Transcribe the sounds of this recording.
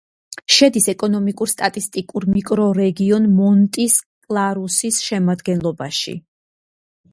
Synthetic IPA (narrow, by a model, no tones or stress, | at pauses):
ʃɛd̪isɛkʼɔnɔmikʼuɾst̪ʼat̪ʼist̪ʼikʼuɾmikʼɾɔɾɛɡiɔnmɔnt̪ʼiskʼlˠaɾusisʃɛmad̪ɡɛnlˠɔbaʃḭ